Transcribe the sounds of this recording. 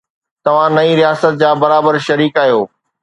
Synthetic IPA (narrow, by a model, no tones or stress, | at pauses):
t̪ɐʋ̤ãnɐiɾijaːsət̪̚d͡ʑaːbɐɾaːbəɾʃɐɾiːkaːjoː